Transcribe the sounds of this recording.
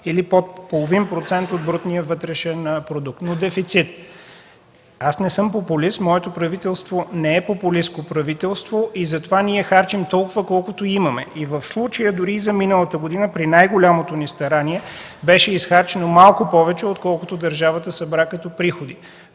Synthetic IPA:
ilipot̪polˠovinpɾot̪sɛnt̪od̪̚bɾut̪nijəvɤt̪ɾɛʃɛnpɾod̪uk̚t̪nod̪ɛfit̪sit̪ | asnɛsɤmpopʊlist̪mɔɛt̪opɾɐvit̪ɛlˠst̪vonɛɛpopʊliskopɾɐvit̪ɛlˠst̪voʔizɐt̪ovaniɛxaɾt͡ʃimt̪ɔlˠkʊvəkɔlˠkʊt̪oimɐmɛ̰ʔivəfslˠut͡ʃəjəd̪ʊɾiːzɐminəlˠət̪əɡod̪inəpɾinajɡolʲamot̪onist̪ɐɾaniɛ | bɛʃɛisxaɾt͡ʃɛnomalˠkʊpɔvɛt͡ʃɛot̪kɔlˠkʊt̪od̪əɾʒavət̪əsɐbɾakɐt̪ɔpɾixod̪i

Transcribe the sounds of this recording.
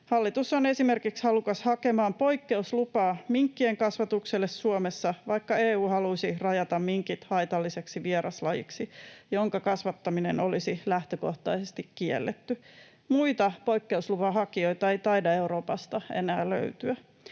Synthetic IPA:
hɑlːit̪usːone̞simerkikshɑlukɑshɑkemɑːmpo̞ikːe̞uslupɑːmiŋkːieŋkɑsʋɑt̪ukselːesːuomesːɑʋɑikːɑeːuːhɑlusirɑjɑt̪ɑmmiŋkit̪hɑit̪ɑlːiseksiʋieɾʔɑslɑjḭksijoŋkɑkɑsʋɑt̪ːɑminḛno̞lisilæht̪øko̞ht̪ɑisest̪ikkiḛlːet̪ːy | muit̪ɑpo̞ikːe̞uslupɑhɑkio̞it̪ɑe̞ijt̪ɑidɑe̞uɾo̞ːpɑst̪ɑḛnæːllø̰yt̪yæ

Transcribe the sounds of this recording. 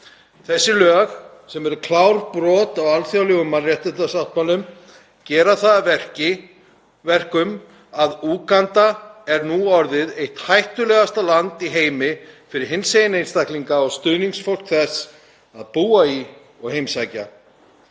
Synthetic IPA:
θɛsːɪlœːɣ | sɛmɛɾʏkʰlawɾpɾɔːt̪awalθjawlɛɣʏmːarjɛht̪ʏt̪asawht̪̚malʏm | cɛːɾaθaðvɛr̥cɪ | vɛr̥kʏm | aðuːkant̪aɛɾnuɔɾðɪðejht̪hajht̪ʏlɛːɣast̪alant̪iɦeːjmɪfɪɾɪɾ̥hɪnsejɪnejnst̪akliŋkaɔɣst̪ʏðniŋsfowl̥kθɛs | aðpuːai | ɔɣhejmsajca̰

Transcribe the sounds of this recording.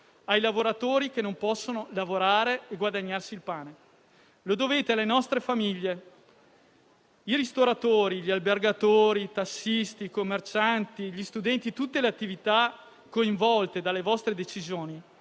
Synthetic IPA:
ajlavoɾat̪oːɾikenompɔsːonolavoɾaːɾeːɡwad̪aɲːarsiːlpaːne | lod̪oveːt̪ealːenɔst̪ɾefamiʎːe | iɾist̪oɾat̪oːɾiʎialberɡat̪oːɾit̪asːist̪ikomːert͡ʃant̪iʎist̪ud̪ɛnt̪it̪ut̪ːeleat̪ːivit̪a | koiɱvɔlt̪ed̪alːevɔst̪ɾed̪et͡ʃizjoːni

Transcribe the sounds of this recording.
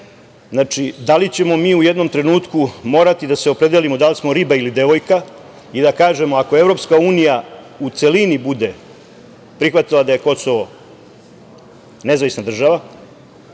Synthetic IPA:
znat͡ʂid̪alit͡ɕe̞mo̞miːuje̞d̪no̞mt̪ɾe̞nuːt̪kumo̞ːɾat̪id̪aseo̞pɾe̞d̪elimo̞d̪alismo̞ɾibailid̪e̞ʋo̞jka | id̪akaːʒe̞moako̞e̞vɾo̞pskauːnija | ut̪se̞linibud̪e | pɾixʋat̪ilˠad̪aje̞ko̞soʋo̞ | ne̞zaʋisnad̪r̩ʒaʋa

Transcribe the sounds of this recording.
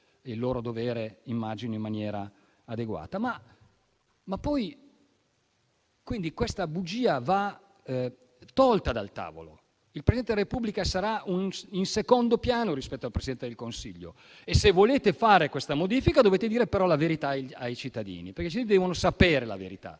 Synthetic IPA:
ilːoːɾod̪oveːɾeimːad͡ʒinoimːanjɛːɾa̰ː | d̪eɡwa̰ːt̪ama | mapːɔj | kwind̪ikwest̪abud͡ʒiːava | t̪ɔlt̪ad̪a̰lt̪a̰ːvo̰lo̰ | ilpɾezidɛnt̪edlaɾepublikasaɾauninsekond̪opjaːnoɾispɛt̪ːoalpɾesid̪ɛnt̪ed̪elkonsḭʎːo̰ | esevːoleːt̪efaːɾekwest̪amod̪iːfikad̪oveːt̪ed̪iːɾepeɾɔlaveɾit̪aajt͡ʃit̪ːad̪ḭːniperket͡ʃid̪ɛːvonosapeːɾela̰vḛɾit̪a̰

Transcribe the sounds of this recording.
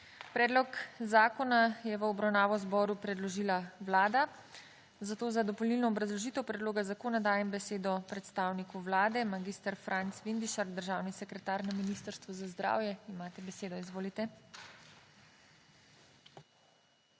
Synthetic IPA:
pɾɛːd̪lɔkzaːkɔnajɛʋəɔbɾawnaːʋɔzbɔɾupɾɛd̪lɔʒiːlaʋlaːd̪a | zat̪oːzad̪ɔpɔlnilnɔːbɾazlɔʒit̪əwpɾɛd̪loːɡazakoːnad̪aːjɛmbɛseːd̪ɔpɾɛt̪st̪aːwnikuʋlaːd̪ɛmaɡiːst̪əɾfɾʔant̪sʋind̪iʃaɾd̪əɾʒaːwnisɛkɾɛt̪aːɾnaminist̪əɾst̪ʋɔzazd̪ɾa̰ːwjɛimaːt̪ɛbɛseːd̪ɔizʋoːlit̪ɛ

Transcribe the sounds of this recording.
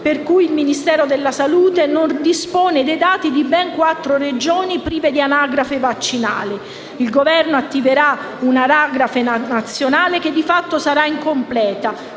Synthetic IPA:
perkujilminist̪ɛːɾod̪elːasaluːt̪enond̪ispɔːned̪ejd̪aːt̪id̪ibɛŋkwat̪ːɾored͡ʒɔːnipɾiːved̪ianaɡɾafevat͡ʃːina̰ːlɪ | ilɡovɛrnoat̪ːiveɾa | unaɾaːɡɾafenat̪sːjonaːleked̪ːifat̪ːosaɾaiŋkomplɛːt̪a

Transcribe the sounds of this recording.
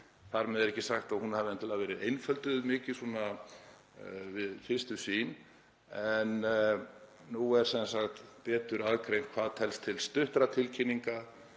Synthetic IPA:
θaɾmɛðɛɾɛhcːɪsaxt̪ahunhavɪnɛnt̪ʰɪlavɛːɾɪðejnfœlt̪ʏðmɪːcɪsuna | vɪðfɪr̥st̪ʏsiːn | ɛn | nuɛɾ̥sɛnsaxt̪pɛːt̪ʏɾaðkʰɾejŋkʰvaːðt̪ʰɛlst̪ʰɪlst̪ʏht̪ɾat̪ʰɪlcʰɪnːiŋka

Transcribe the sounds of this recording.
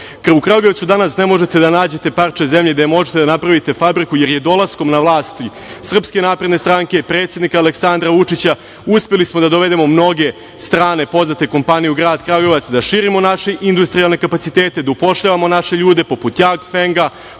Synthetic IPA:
krukɾaɡoʋt̪sud̪anasne̞mo̞ʒe̞t̪e̞d̪anaːd͡ʑe̞t̪e̞part͡ʃezemʎed̪emo̞ʒet̪ed̪anapɾaʋit̪e̞fabɾikuje̞ɾjed̪o̞lˠasko̞mnaʋlˠaːst̪ | sr̩pske̞naːpɾed̪nest̪ɾaːŋke̞pɾet̪sed̪nikaːleksand̪ɾaʋut͡ʂit͡ɕa | uspelismo̞d̪ad̪oʋe̞d̪e̞mo̞mno̞ɡe̞ | st̪ɾaːne̞po̞znat̪e̞ko̞mpanijuɡɾaːd̪kɾaːɡoʋat̪sd̪aʃiːɾimo̞naʃeʔind̪ust̪ɾijalˠne̞kapat̪sit̪eːt̪e̞d̪aupo̞ʃʎaʋamo̞naʃe̞ʎuːd̪e̞po̞put̪jaɡfeŋɡa

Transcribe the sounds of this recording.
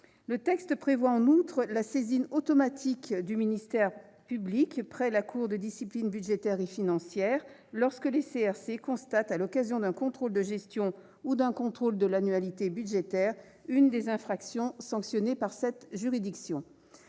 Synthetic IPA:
lət̪ɛkst̪pχevwaɑ̃nut̪χəlasezinot̪ɔmat̪ʰikd̪yminist̪ɛʁpyblikpχɛlakʰuʁd̪əd̪isiplinbyd̪ʒet̪ɛʁefinɑ̃sjɛːʁ | lɔʁskəleseɛʁsekɔ̃st̪at̪alɔkazjɔ̃d̪ɛ̃kɔ̃t̪χold̪əʒɛst̪jɔ̃ | ud̪ɛ̃kɔ̃t̪χold̪əlanyalit̪ebyd̪ʒet̪ɛʁ | ynd̪ezɛ̃fχaksjɔ̃sɑ̃ksjɔnepaʁsɛt̪ʒyʁid̪iksjɔ̃

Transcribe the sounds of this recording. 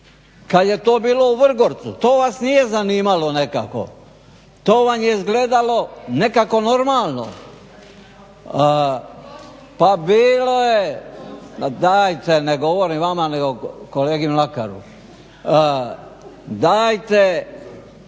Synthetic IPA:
kad̪je̞t̪oːbiːlo̞uʋr̩ɡoɾt̪sut̪oːʋasnije̞zaniːmalo̞ne̞ka̰ko̞̰ | t̪o̞ːʋamjeizɡle̞d̪alo̞ne̞kako̞no̞ɾmaːlˠno̰ | pabiːlo̞je | d̪aːjt̪eneɡo̞ʋoɾiʋamaneɡokoleːɡimlakaɾṵ | d̪aːjt̪e

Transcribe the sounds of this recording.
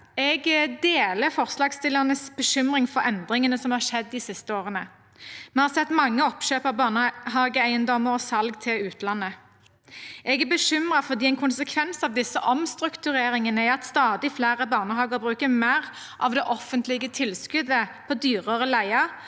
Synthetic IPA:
ɛɡd̪eːləfɔʁslɑːɡst̪ɪlːəʁnəsbəʃʏmʁɪŋfɔɾɛnd̪ʁɪŋənəsɔmhɑːʁʂɛd̪ːɪsɪst̪əoːʁənə | mɛhɑsɛt̪ːmɑŋːəɔpʃøːpɑʋbɑnɦɑːɡəæɪənd̪ɔməʁɔsɑlɡt̪ʰɪlʉːt̪ʰlɑnːə | ɛɡæbəʃʏmʁəfɔʁd̪iːɛnkʰʊnsəkʰʋɛnsɑʋd̪ɪsːəʔɔmst̪ʁʉkt̪ʉʁeːɾɪŋənəæɪɑt̪st̪ɑːd̪ɪflæːʁəbɑːʁnəhɑːɡəʁbʁʉːkəmæʁ | ʔɑ̰ʋd̪ɛʔɔfənt̪lɪɡət̪ʰɪlskʉd̪əpʰod̪yːʁəʁəlæɪɑ

